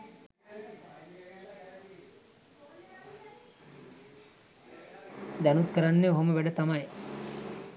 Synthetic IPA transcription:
d̪ænut̪kəɾanːeoɦoməʋæɖət̪amaj

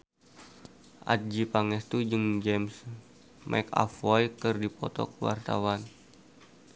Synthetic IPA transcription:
ʔa̰t̪̚d͡ʒipaŋɛst̪ud͡ʒɨŋd͡ʒɛms | mʔa̰ika̰fɔjkərdipɔt̪ɔ̰kəwa̰rt̪a̰wan

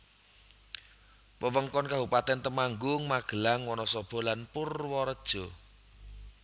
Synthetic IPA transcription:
wəwəŋkɔnkaɦupat̪ɛnt̪əmaŋɡʊŋmaɡ̥ə̤laŋwɔnɔsɔb̥ɔ̤lanpʊrwɔɾəd̥ʒ̥ɔ̤

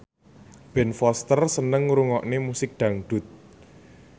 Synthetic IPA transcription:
b̥ɛnfɔst̪ərsənəŋɾuŋɔʔnemusɪk̚d̪̥a̤ŋɖ̪̥ṳt̪̚

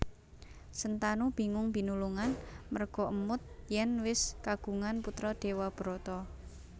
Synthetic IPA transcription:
sənt̪anub̥i̤ŋʊŋb̥i̤nuluŋanmərɡ̥ɔ̤ʔəmʊt̪̚jɛnwɪskaɡ̥ṳŋanput̪ɾɔɖ̪̥e̤wab̥ɾot̪ɔ

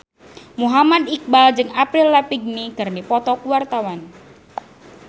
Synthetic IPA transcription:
muɦamad̪ik̚bald͡ʒɨŋapɾɪlːapiɡ̚niɡ̥arnipɔt̪ɔkuwart̪awan

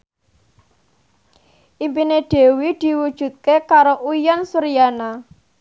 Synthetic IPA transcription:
ʔimpineɖ̪̥e̤wid̪̥i̤wud̥ʒ̥ṳt̪̚kekaɾoʔujɔnsuɾijana

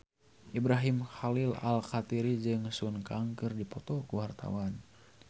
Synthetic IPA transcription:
ʔibɾaɦimhalila̰lkat̪iɾid͡ʒɨŋsunkaŋkɨrdipɔt̪ɔkuwart̪a̰wan

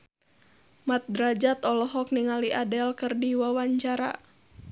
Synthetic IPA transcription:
mat̪̚dɾad͡ʒat̪ɔlɔɦɔk̚niŋaliʔadɛlkɨrdiwawaɲt͡ʃaɾa̰

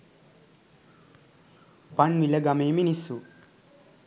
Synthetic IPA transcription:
pɐɳmileɡɐmeːminisu

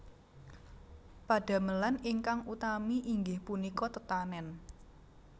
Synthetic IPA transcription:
paɖ̥a̤məlanɪŋkaŋut̪amiʔiŋɡɪhpunikɔt̪ət̪anɛn

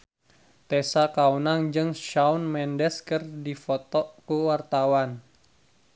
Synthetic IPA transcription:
t̪ɛsakaunaŋd͡ʒɨŋʃaunmɛndɛskɨrdifɔt̪ɔkuwart̪awan

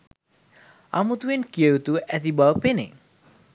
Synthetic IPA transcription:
a̰mut̪uenkiewt̪uʔɛt̪ibawpenḛ

